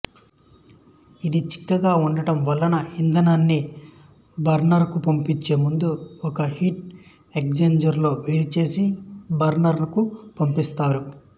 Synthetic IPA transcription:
id̪it͡ʃi̥kːɐɡaːuɳɖɐʈɐmʋɐlːɐnɐind̪ɐnɐnːi | bɐɾnɐɾkupompiɲt͡ʃːeːmund̪uɔkɐhiʈ | ek̚d͡ʒeɲd͡ʒɐɾlo̞ːʋeːɽit͡ʃe̞ːsibɐɾnɐɾlɐkupompist̪aːɾu

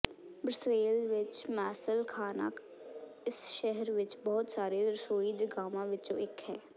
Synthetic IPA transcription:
bɾɪsɾeːlʋɪt͡ʃmɛːsəlkʰaːnə̰k | ɪsʃɛɦəɾʋɪt͡ʃbɔːt̪saːɾeɾsoːid͡ʒɡaːmãʋɪt͡ʃõ̰ɪkɦɛː

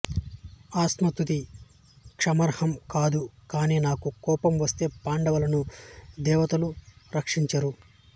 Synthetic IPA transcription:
aːsmɐt̪ut̪i | kʂɐmɐɾhɐmkaːd̪ukaːniːnaːkukɔːpɐmʋɐst̪e̞ːpaːɳɖɐʋɐlɐnud̪ɛːʋɐt̪ɐluɾɐkʂiɲt͡ʃɐɾu

